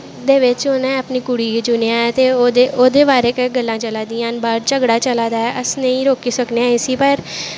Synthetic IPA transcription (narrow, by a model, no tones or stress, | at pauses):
d̪eːʋɪt͡ʃonẽːəpniːkʊɽiːd͡ʒʊneãːɛːt̪eːod̪eːʔoːd̪eːbaːɾeːkeɡəlːãːt͡ʃəlaːd̪iːãːnbaːɾt͡ʃəɡɽaːt͡ʃəlaːd̪aːɛːʔəsnəĩːɾoːkiːsəkneãːɪsiːpəɾ